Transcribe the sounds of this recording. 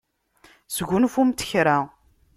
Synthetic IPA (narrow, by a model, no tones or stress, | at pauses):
səɡʷunfumt̪ə̥çɾa